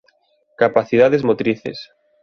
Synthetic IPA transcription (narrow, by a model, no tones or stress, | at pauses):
kapaθiðaðezmot̪ɾiθḛs